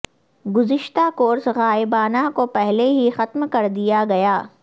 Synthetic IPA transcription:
ɡʊzɪʃt̪akoːɾsɣaːɪbaːnakopɛɦleɦixɐt̪mkɐɾd̪ijaɡɐjaː

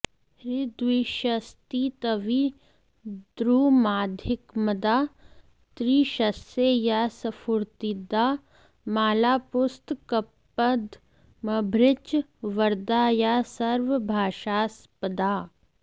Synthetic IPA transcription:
ɾɪd̪wiʃəst̪it̪ɐʋi | d̪ɾuːmaːd̪ʱɪkmɐd̪aː | t̪ɾiːʃɐsejasɐfʰuɾt̪id̪aː | maːlaːpʊst̪kɐpː | əd̪ | mɐbʱɾɪt͡ʃʋɐɾd̪aːjasɐɾʋəbʱaːʃaːs | pəd̪aː

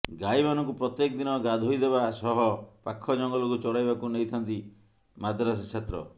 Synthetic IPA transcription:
ɡajbanɔŋkupɾɔt̪jekɔd̪inɔɡad̪ʱojd̪ebasɔɦɔpakʰːɔd͡ʒɔŋɡɔlokut͡ʃɔɽajbakunejt̪ʰant̪i | mad̪ʱɾas̬ekt͡ʃʰet̪ɾɔ̰

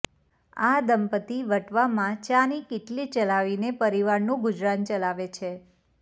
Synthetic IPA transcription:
ad̪əmpət̪iʋəʈʋamãt͡ʃanikɪʈlit͡ʃəlaʋinepəɾiʋaɾnũɡʊd͡ʒɾant͡ʃəlaʋet͡ʃʰe

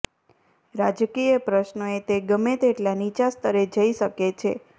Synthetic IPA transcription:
ɾad͡ʒkijəpɾəʃnoet̪eɡəmet̪eʈlanit͡ʃast̪əɾed͡ʒəiʃəket͡ʃʰe

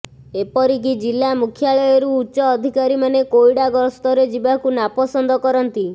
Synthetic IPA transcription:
epɔɾik̬id͡ʒilːamukʰjaɭɔjɔɾuːtːt͡ʃɔːd̪ʱikaɾimanekoiɽaɡɔɾst̪ɔɾed͡ʒibakunapɔsɔnd̪ɔkɔɾɔnt̪i

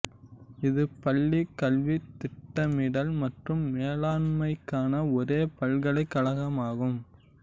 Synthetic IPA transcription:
ɪðɯpɐlːikːɐlʋit̪ːɪʈːɐmɪɽɐlmɐʈrɯmːeːlaːnmɐɪkːaːnɐɔɾeːpɐɭɣɐɭɐɪkːɐɭɐɣɐmaːɣɯm

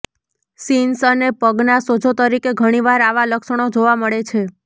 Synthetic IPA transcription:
sinsənepəɡnasod͡ʒʱot̪əɾikeɡʱəɽ̃iʋaɾaʋaləkʃəɳ̃od͡ʒoʋaməɭet͡ʃʰe

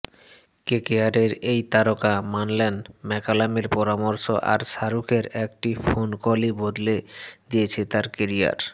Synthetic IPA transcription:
kekeaɾeɾejt̪aɾokamanlenmɛkalameɾpɔɾamɔɾʃoʔa̰ɾʃaɾukʰeɾɛk̚ʈifonkolibod̪led̪ijet͡ɕʰet̪aɾkeɾia̰ɾ

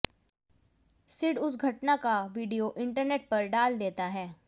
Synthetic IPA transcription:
sɪɽʊsɡʱɐʈnakaʋiːɖijoʔɪ̃ɳʈəɾneːʈ̚pɐɾɖaːld̪eːt̪aɦɛː

